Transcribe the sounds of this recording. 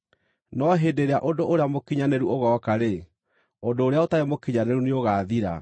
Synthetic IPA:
nɔɦeːdeɾeaʔodoʔoɾeamokiɲaneɾuoɣɔːkaɾe | odoːɾeaotaɾemokiɲaneɾuneoɣaːðiɾa̰

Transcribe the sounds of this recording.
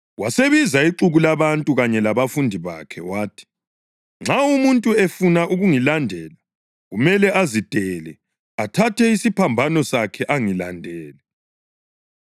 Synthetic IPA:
waseβizaiǃuɣulaβantʼuɣaɲɛlaβafundʱiβa̰kʰɛ̰waːtʰi̥ | ŋ͡ǁʱawumuntʼuefunaʔuɣuŋilandʱɛːla | ɣumɛlɛʔazid̥ʱɛlɛ | atʰatʰɛisipʰambʱanɔsakʰɛʔaŋila̰ndʱɛːlɛ

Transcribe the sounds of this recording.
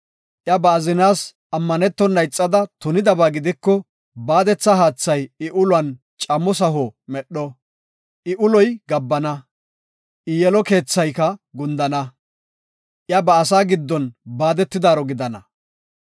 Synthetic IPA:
ʔjɐbɐːzɪnaːs | ɐmːɐnɛt̪ːɔnːɐjt͡sʼːɐd̪ɐt̪ʊnɪd̪ɐbaːɡɪd̪ɪkːɔ | baːd̪ɛt͡sːɐɦaːt͡sːɐjɪʔʊlwɐn | t͡ʃʼɐmɔs̬ɐɦɔmɛɗːɔ | ʔɪʔʊlɔjɡɐbːɐnɐ | ʔɪjɛlɔke̞ːt͡sːɐjkɐɡʊnd̪ɐnɐ | ʔjɐbɐːs̬aːɡɪd̪ːɔnbaːd̪ɛt̪ːɪd̪aːɾɔɡɪd̪ɐnɐ

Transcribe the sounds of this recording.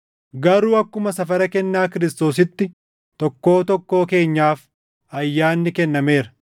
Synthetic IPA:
ɡɐɾuːɐkːʊmɐsɐfɐɾɐkɛnːaːkɪɾɪst̪o̞ːs̬ɪt̪ːɪ | t̪ɔkːo̞ːt̪ɔkːo̞ːke̞ːɲːaːf | ɐjːaːnːɪkɛnːɐme̞ːɾɐ̥

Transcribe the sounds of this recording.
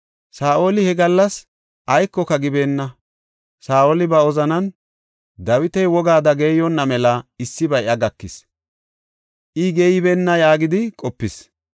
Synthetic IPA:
saːʔo̞ːlɪhɛɡɐlːɐs | ʔɐjkːɔkɐɡɪbe̞ːnːɐ | saːʔolɪbɐɔzɐnɐn | d̪ɐwɪt̪ɛjwɔɡaːd̪ɐɡeːjɔnːɐmɛlɐɪsːɪbɐjʔɐɡɐkːɪs | ʔɪɡɛjɪbeːnːɐjaːɡɪd̪ɪkʼɔpːɪs

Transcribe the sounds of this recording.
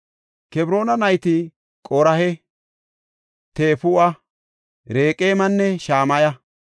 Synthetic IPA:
kɛbɾo̞ːnɐnɐjt̪ɪ | kʼoɾɐhɛ | t̪eːfʊɐ | ɾeːkʼeːmɐnːɛʃaːmɐjɐ

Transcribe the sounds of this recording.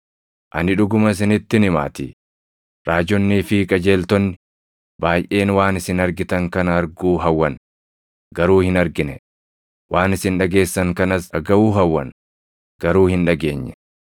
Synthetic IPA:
ʔɐnɪᶑʊɡʊmɐs̬ɪnɪt̪ːɪnɪma̰ːt̪ɪ̰ | ɾaːd͡ʒɔnːiːfɪkʼɐd͡ʒe̞ːlt̪ɔnːɪ | baːjʔe̞ːnwaːnɪsɪnɐɾɡɪt̪ɐŋkɐnɐɐɾɡuːɦɐwːɐn | ɡɐɾuːhɪnɐɾɡɪnɛ | waːnɪsɪnᶑɐɡe̞ːsːɐŋkɐnɐsɐɡɐʔuːɦɐwːɐ̰n | ɡ̥ɐɾuːhɪnᶑɐɡe̞̰ːɲːɛ

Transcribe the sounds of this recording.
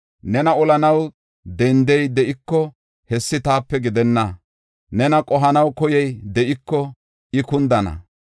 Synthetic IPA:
nɛnɐɔlɐnɐw | d̪ɛnd̪ɛjd̪ɛʔɪkːɔ | hɛsːɪt̪aːpːɛɡɪd̪ɛnːɐ | nɛnɐkʼɔɦɐnɐwkɔjɛjd̪ɛʔɪkːɔ | ʔɪkʊnd̪ɐnɐ̰

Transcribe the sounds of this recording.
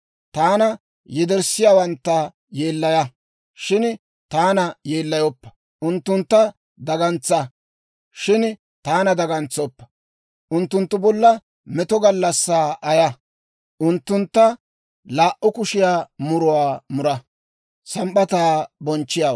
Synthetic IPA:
t̪aːnɐ | jɛd̪ɛɾsɪjaːwɐnt̪ːɐ | je̞ːlːɐjɐ | ʃɪn | t̪aːnɐjeːlːɐjɔpːɐ̥ | ʊnt̪ːʊnt̪ːɐ | d̪ɐɡɐnt͡sɐ | ʃɪn | t̪aːnɐd̪ɐɡɐnt͡sːɔpːɐ̥ | ʔʊnt̪ːʊnt̪ːʊbɔlːɐ | mɛt̪ɔɡɐlːɐsːaːʔɐjɐ | ʔʊnt̪ːʊnt̪ːɐ | laːʔʔʊkʊʃɪjaːmʊɾʊwaːmʊɾɐ | sɐmɓɐt̪aːbɔnt͡ʃːɪjaːw

